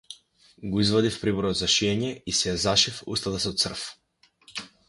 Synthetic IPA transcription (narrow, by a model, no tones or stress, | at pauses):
ɡɔizvad̪ifpɾibɔɾɔd̪zaʃiɛɲɛisɛjazaʃifṵst̪at̪ast̪sr̩f